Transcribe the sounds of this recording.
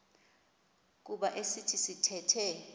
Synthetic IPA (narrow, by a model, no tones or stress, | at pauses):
k̬uɓaʔesitʰisitʰɛtʰɛ